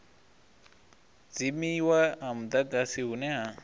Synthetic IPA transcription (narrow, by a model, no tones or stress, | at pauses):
d͡zimiwaamud̪aɡasiɦunɛɦa